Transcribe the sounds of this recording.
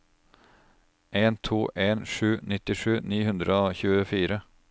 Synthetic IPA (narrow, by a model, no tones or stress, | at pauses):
ʔeːnt̪ʰuːʔeːnʂʉːnɪt̪ɪʂʉːniːhʉnd̪ɾəoːçʉːəfiːɾə